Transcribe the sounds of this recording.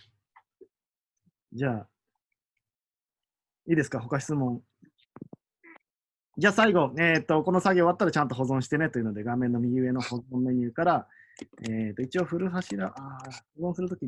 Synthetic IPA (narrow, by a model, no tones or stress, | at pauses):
d͡ʑaː | iːd̪e̞sɨ̥kaɦo̞kaɕi̥t͡sɨmõ̞ɴ | d͡ʑaːsaiɡo̞eːt̪ːo̞ko̞no̞saɡʲeoβat̪ːaɾat͡ɕãnt̪o̞ɦo̞zõ̞ɰ̃ɕi̥t̪e̞ne̞t̪o̞iɯ̟no̞d̪e̞ɡamẽ̞nːomʲiɯ̟e̞no̞ho̞zõmːe̞ɲ̟ɯ̟ːkaɾa | eːt̪oit͡ɕioɸɯ̟ɾɯ̟ɦaɕiɾaʔahozõsɨɾɯt̪o̞kʲi